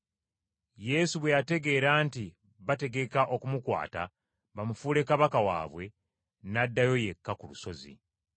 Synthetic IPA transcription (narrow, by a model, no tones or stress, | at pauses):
je̞suβwe̞jate̞ɡe̞ːɾaːnti | βate̞ɡe̞kaʔo̞kumukwa̰ːta̰ | βamufuːle̞kːaβakawa̰ːβwe̞ | nadːajo̞je̞kːakulṵso̞zḭ